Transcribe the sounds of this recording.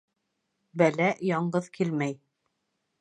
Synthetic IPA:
bælæjɑɴɢɤðkʰilmæj

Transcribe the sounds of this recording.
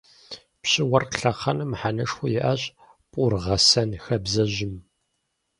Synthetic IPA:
pɕɪwɐrɬɐqɐnɨmħanɐʂxʷʊjɪʔɐɕʼ | pʼʊrʁɐsɐnxɐbzɐʑɪm

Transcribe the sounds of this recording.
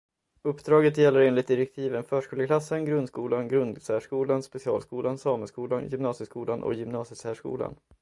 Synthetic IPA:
ɵpːd̪ɾɑːɡət̪jɛlːəɾeːnlɪt̪̚d̪ɪɾɛk̚t̪ʰiːvənfœːʂkuːləkʰlasːənɡɾɵnd̪skuːlanɡɾɵnd̪sæːʂkuːlanspɛsɪɑ̰ːlskuːlansɑːməskuːlanjʏmnɑːsjəskuːlanʔɔ̰kjʏmnɑːsjəsæːʂkṵːla̰n

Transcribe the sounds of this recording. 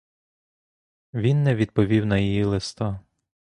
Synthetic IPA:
ʋʲinːɛʋʲid̪̚pɔʋʲiwnɐjijilˠest̪ɑ

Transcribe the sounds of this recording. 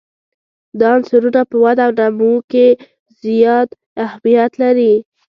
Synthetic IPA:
d̪ɑnsaɾunapəwad̪awnamuke | zjɑd̪ | ahmijat̪laɾi

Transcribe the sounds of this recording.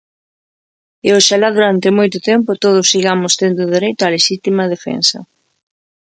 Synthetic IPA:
eoʃalaðuɾant̪ɪmojt̪ʊt̪ɛmpʊt̪oð̞ʊsiɣamʊst̪end̪ʊðeɾejt̪ʊaleʃit̪imɐðefḛnsɐ̰

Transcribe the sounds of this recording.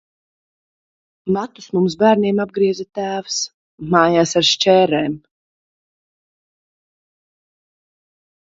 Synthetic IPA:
mat̪usmumsbæːɾniɛmab̚ɡɾiɛzat̪æːvs | maːjaːsaɾʃt͡ʃɛːɾɛːm

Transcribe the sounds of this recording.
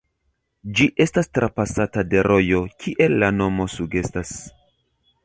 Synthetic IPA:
d͡ʒiʔe̞stastɾʔapasatade̞ɾʔo̞jokʰiʔe̞lːano̞mo̞suɡe̞stas

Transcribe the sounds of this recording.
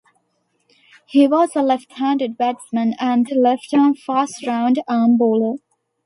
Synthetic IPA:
hiwɔzəlɛfʈhæ̃ndɨɖ̚bædsmə̃næ̃nlɛfʈə̃nfastɹãʊ̃nɖaːmboːlə

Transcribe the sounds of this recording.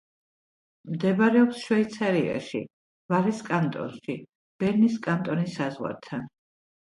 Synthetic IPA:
md̪ɛbɾɛɔpsʃwɛit̪sʰaɾia̰ʃḭ | vaɾiskʼant̪ʼɔ̰nʃi | b̥ɛɾniskʼant̪ʼɔnisazʁwa̰ɾt̪ʰan

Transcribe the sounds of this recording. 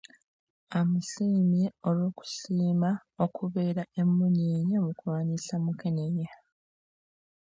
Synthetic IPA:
amusiːmjeolwo̞ːku̥siːmaokʰuβe̞ːɾae̞mːuɲeːɲamukwwaːnisamukeneja

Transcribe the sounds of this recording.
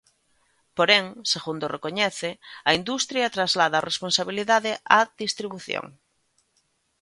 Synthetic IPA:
poɾeŋseɣund̪orekoɲɛθɪɐind̪ust̪ɾjɐt̪ɾazlaðaresponsaβ̞iliðaðɪʔaðist̪ɾiβuθjõ̰ŋ

